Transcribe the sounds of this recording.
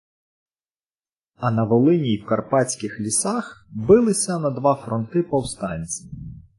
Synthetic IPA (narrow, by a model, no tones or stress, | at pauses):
ɐnɐʋɔlˠɪnʲiwkɐrpɑt͡sʲkʲɪxlʲisɑxbɪlˠɪsʲɐnɐd̪ʋɑfɾɔnt̪ɪpɔwst̪ɑnʲt͡sʲi